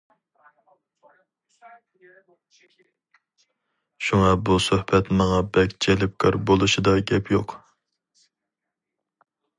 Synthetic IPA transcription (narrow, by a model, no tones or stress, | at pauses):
ʃuŋɑbusohbɛt̪mɑŋɑbɛkʲd͡ʒʰɛlɪp̚kʰɑɾbolˠuʃid̪ɑɡʲɛpʰjoq